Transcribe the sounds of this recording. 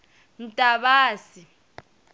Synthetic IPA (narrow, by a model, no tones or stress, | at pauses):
n̩tʼaɓaːsi